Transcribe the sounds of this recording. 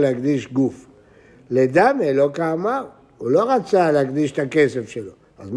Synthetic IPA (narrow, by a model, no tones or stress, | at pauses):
leɦaɡd̪iʃɡuf | led̪amelo̞kama | ulo̞ʁat͡salehaɡd̪iʃt̪ake̞sefʃelo̞ | azm